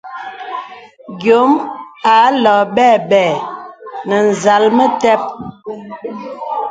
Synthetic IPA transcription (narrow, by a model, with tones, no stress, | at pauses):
ɡjo˨˦ma˨˦lɔː˨bɛː˦˨bɛː˨ | nə˨n̩˨za˨lmə˦tɛ˦p̚